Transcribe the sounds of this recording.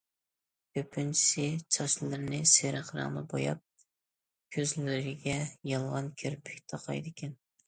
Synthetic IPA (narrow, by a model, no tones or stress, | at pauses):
kʲʰøpʰːynt͡ʃʰi̥sɪt͡ʃʰɑʃllˠɨɾnɪseɾɨχɾɑ̰ŋnˠɨ̰bo̰jɑ̰p̚ | kʲʰøzlɪɾɪɡʲɛjɑlˠʁɑnkʲʰyɾpʰɪ̥kʲt̪ʰɑqʰɑ̰jd̪ɪkʲɛn